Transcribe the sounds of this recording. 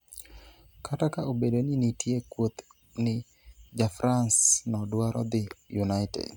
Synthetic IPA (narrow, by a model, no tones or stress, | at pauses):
kʰatakaobedoninitʰjekwot̪ | nɪ | d͡ʒafɾansnɔdwaɾʔɔ̰d̪ɪjunaɪtɛ̰d